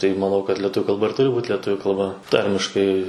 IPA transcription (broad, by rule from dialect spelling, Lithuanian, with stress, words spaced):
tɐɪ mɐˈnɐʊ kɐt lʲɛtˈʊʋʲʊ kɐlˠˈbɐ ˈtʊrʲɪ buːt lʲɛˈtʊʋʲʊ kɐlˠˈbɐ ˈtɐrʲmʲɪʃkɐɪ